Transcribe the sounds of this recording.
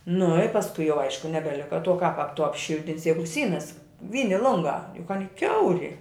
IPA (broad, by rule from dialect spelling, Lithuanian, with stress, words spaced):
nʊ ɪ pɐsˈkʊɪ jɛʊ ˈɐɪʃkʊ nʲɛbʲɛˈlʲɪkɐ tuɔ kɐp ɐp tʊ ɐpʲˈʃʲɪlʲtʲɪnʲsʲɪ ˈjæːɡʊ ˈsʲiːnɐs ˈʋʲiːnʲɪ ˈlˠʊŋɡɑː jʊk ˈɑːnʲɪ ˈkʲɛʊrʲɪ